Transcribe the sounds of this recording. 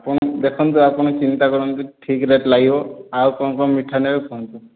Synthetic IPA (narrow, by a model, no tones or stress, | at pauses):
apund̪ɛkʰɔnt̪̬ʊapunɔt͡ʃint̪akɔɹɔnt̪uʈʰikɹɛtlaɡibɔaɹukɔnɔkɔmiʈʰːanɛbɛpʰɔnt̪u